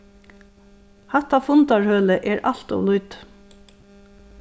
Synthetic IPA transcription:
hat̪afʊnt̪aɹhœːləʔɛɹʔalt̪ɔ̰ʋlʊjt̪

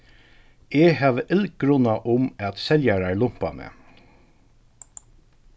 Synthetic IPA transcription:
ehæːʋəʔɪlɡ̥ɾʊnaʔʊmæt̪sɛljaɹaɹlʊm̥panə̰

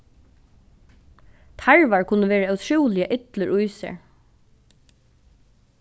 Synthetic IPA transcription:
t̪ʰaɹʋɑɹkʰʊnəʋeːɹəœt̪ʰʃuːlɪəʔɪt̪ləɹʔʊʏsə̰ɹ

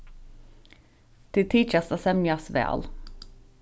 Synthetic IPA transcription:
d̪̥it̪ʰiːt͡ʃɑst̪ɑsɛmjɑsʋḛːɑ̰l

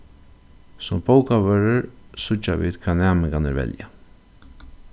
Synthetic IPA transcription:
sʊmpowkaʋœɾəɹsʊt͡ʃːaʋḭːd̪kʰaːnɛːmɪŋkanɪ̰ɾvɛ̰lja

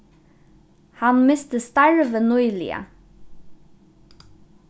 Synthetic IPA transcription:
hɑnmɪst̪əst̪ɑɹʋənɔʏlɪ̰ə̰

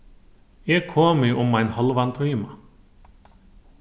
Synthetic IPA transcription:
ɛːɡ̚kʰoːmɪʔʊmːaɪnhɔlʋant̪ʰœʏma

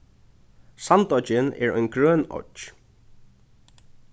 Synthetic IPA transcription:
sant̪ɔt͡ʃɪnɛ̰ɹɔ̰jnɡɾœːnɔ̰t͡ʃ

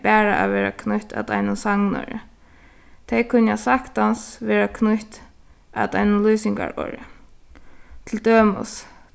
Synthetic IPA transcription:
pæːɹaʔa̰ʋɛːɾa̰kʰnʊht̪a̰d̪ajnʊnsaŋnɔ̰ɾə̰ | t̪ʰɛjkʰʊnːjasakt̪ansʋɛːɾakʰnʊht̪ | a̰t̪ajnʊnluːsɪŋka̰ɹɔ̰ːɹə̰ | t̪ʰɪld̪øːmʊ̰s

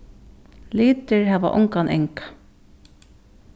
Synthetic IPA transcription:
liːt̪ɪɹɦæːʋa̰ʔʊ̰ŋkanʔɛ̰ŋkḁ

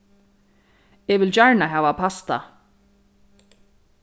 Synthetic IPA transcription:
ɛvɪlt͡ɕaɹnaɦaːvapʰast̪a̰

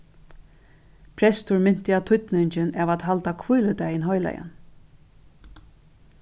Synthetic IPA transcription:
pʰɾɛst̪ʊɹmɪn̥t̪ɪat̪ʰʊt̪nɪɲt͡ʃɪnɛvat̪ɦalt̪akʰvujlʏt̪ajɪnɦɔjla̰ja̰n

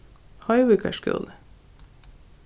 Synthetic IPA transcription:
hɑɪwɪkʰə̰ʃkʉ̰l

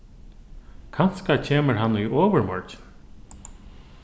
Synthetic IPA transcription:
kʰan̥skacʰeːməɹɦanːʏɔːʋəɹmɔɹt͡ʃɪ̥n

